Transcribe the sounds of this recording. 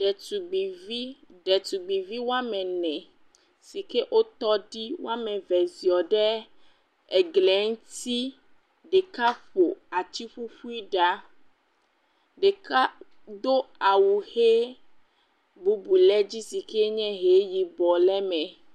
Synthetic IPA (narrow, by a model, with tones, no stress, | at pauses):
ɖɛ˨tu˨ɡ͡bi˨vi˦ɖɛ˨t̪u˨ɡ͡bi˨vi˦wo˦a˦mɛ̃˨nɛ̃˨ | si˨ke˦ʔo˦t̪ɔ˦ɖi˦wo̰˦a˦mɛ̃˨vɛ˨zi˨ɔ˨ɖɛ˦ | ɛ˨ɡlɛ˨˦ŋ˦t̪i˦ | ɖɛ˨ka˦ɸo˨a˨t͡ʃi˦ɸu˦ɸu˦i˦ɖa˦ | ɖe˨ka˦ | d̪o˦a˨wu˨he˦ | bu˦bu˨lɛ˦d͡ʑi˦si˨ke˦ɲɛ̃˦ɦe˨˦ji˨bɔ˨lɛ˦mɛ̃˨